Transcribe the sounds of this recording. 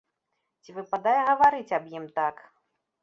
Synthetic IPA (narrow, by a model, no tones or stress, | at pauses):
t͡sʲivɨpad̪ajɛɣɐvaɾɨt͡sʲɐbjimt̪ak